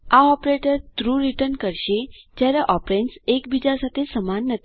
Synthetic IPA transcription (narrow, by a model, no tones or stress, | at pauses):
aɔpɾeʈəɾt̪ɾuɾiʈənkəɾɕed͡ʑjaɾaʔɔpɾeɳʈsekbid͡ʑasat̪ʰesəmanːət̪